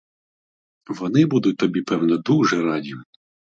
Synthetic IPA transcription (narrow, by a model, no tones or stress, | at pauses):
ʋɔnɪbud̪ʊt̚ʲt̪ɔbʲipɛwnɔd̪uʒɛɾɑdʲiʋ